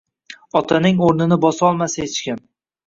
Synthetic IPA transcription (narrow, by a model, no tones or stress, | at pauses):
ɒt̪ʰanɪŋoɾnɪnɪbɒsɒlˠmasaet͡ʃkʲɪn